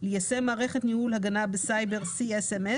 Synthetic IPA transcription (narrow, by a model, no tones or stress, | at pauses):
lejasemaːʁe̞χet̪nihulhaɡanabesajbe̞ʁsieseme